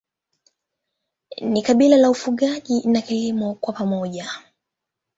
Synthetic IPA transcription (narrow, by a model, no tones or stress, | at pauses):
nikaɓilalaufuɠaʄinakilimɔkwapamɔʄa